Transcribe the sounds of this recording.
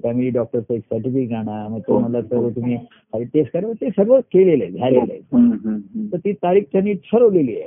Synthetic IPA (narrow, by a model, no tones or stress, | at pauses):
fæmiliːɖɔk̚ʈəɾt͡saeksəɾʈifik̚d͡zʱaɽ̃aməɡ̚t̪eməlasəɾʋət̪um̤iː | kaɾit̪eskəɾʋət̪esəɾʋəkelelḛd͡zʱalelḛət̪əɾt̪iːt̪aɾiːk̚t͡ɕanːiːt͡sʰəɾɦoleliːje